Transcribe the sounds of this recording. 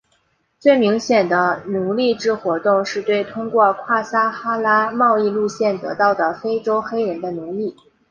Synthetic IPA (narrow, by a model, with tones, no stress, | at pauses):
t͡swe˥˩ɪmi˧˥ŋɕjɛ˨˩nd̪ə˦nu˧˥li˥˩ʈ͡ʂɻ̩˥xwɔ˧˥t̪ʊ˥˧ŋʂɻ̩˥˧t̪we˥˩ɪt̪ʰʊ˥ŋkwɔ˥˧kʰwa˥˩sa˥xa˥la˥mɑ˥˧ʊi˥˧lu˥˧ɕjɛ˥˩nt̪ɤ̰˧˥t̪ɑ˥˩ʊd̪ə˩fe˥ɪʈ͡ʂo˥ʊxe˥ɪɻə˧˥nd̪ə˧nu˧˥li˥˩